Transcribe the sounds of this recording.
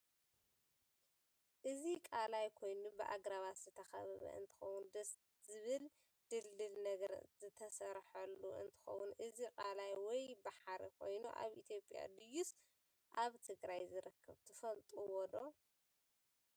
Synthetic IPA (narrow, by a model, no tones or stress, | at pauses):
ʔɨzikʼalajkʰo̞jnubɨʔaɡɾaβaszɨt̪ʰɐxɐβɨβɐ̰ʔɨ̰nt̪ʰɨ̥xɐwund̪ɐs | zɨβɨl | d̪̥ɨlːɨlnɐɡɐɾzɨt̪ʰɐsɐɾħɐlːuɨ̰nt̪ʰɨ̥xɐ̰wːʊnʔɨzikʼalajwɔjbaħaɾekʰo̞jnuʔa̰βʔit̪ʰjo̞pʼja̰d̪ɨjus | ʔaβt̪ʰɨɡɾajzɨɾɨkʰːɐβt̪ʰɨfɐlt̪ʼuwɔd̪o